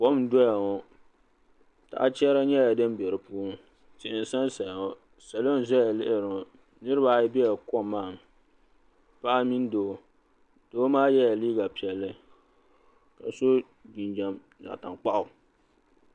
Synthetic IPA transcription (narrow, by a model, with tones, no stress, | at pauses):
kɔ˦m˦dɔ˦ja˨ŋɔ˨ | ta̰˨ʔa˦t͡ʃɛ˦ɾa˦ɲɛ˦ja˨dɨ˦mbɛ˨ɾɨ˨pu˦ | tɪ˨ʔɪ˨n˨sa˦nsa˨ja˨ŋɔ˨ | sa˨lo˦n˨zɔ˦a˨lɪ˦ʔɪ˨ɾɨ˨ɔ˨ | nɨ˦ɾɨ˦ba˦˨jbɛ˦ja˨kɔ˦mːaː˦˨m˨ | pa˦ʔa˦mi˦n˦doː˨ | d̥oː˦maː˦jɛ˦ja˨liː˦ɡa˨pi˨ɛ˨lːɨ˦ | ka˨so˦ | bi˨nd͡ʒa˨m | na̰˨ta˨ŋk͡pa˦ʔʊ˨